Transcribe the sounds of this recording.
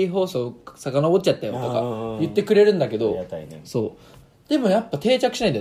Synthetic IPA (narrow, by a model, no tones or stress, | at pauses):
iɦo̞ːso̞ːsakanabotːt͡ɕat̪ːajõoka̰jɯ̟t̪ːe̞kɯ̟ɾe̞ɾɯ̟̃nd̪ake̞d̪o̞so̞ː | d̪̥e̞mõjapːat̪e̞ːt͡ɕakɯ̟ɕinaĩd̪e